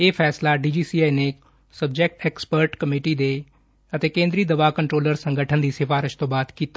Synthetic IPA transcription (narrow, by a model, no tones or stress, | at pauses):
eːpʰɛːslaːɖiːd͡ʒiːsiːaːineː | səb̚d͡ʒɛk̚ʈɛːkspəɾʈkəmiːʈiːd̪eː | ət̪eːkẽːnd̪ɾiːd̪əʋaːkəɳʈɾoːləɾsəŋɡəʈʰənd̪iːsɪfaːɾɪʃt̪õːbaːd̪kiːt̪a